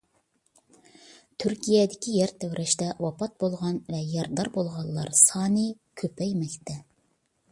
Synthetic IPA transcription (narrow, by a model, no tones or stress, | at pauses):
t̪ʰyɾkʲijɛd̪ɪkʲʰijɛɾt̪ʰæwɾʔɛʃt̪ɛwɑpʰɑt̪̚bolˠʁɑnvɛjɑɾd̪ɑɾbolˠʁɑlˠːɑ̰ɾsɑːnɨkʲʰøpʰɛjmɛkʲt̪ʰɛ